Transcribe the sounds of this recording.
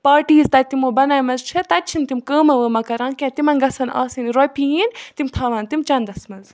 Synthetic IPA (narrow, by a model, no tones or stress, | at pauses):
paːɾʈiːzt̪ɐt̪imoːbɐnaːjmɐzt͡ʃʰɐt̪ɐt͡ʃʰint̪imkəːmɐʋəmɐkɐɾãːnkʲãt̪imɐnɡɐsɐna̰ːsinɾopijiːnt̪imt̪ʰɐːʋɐːnt̪imt͡ʃɐnd̪ɐsmɐz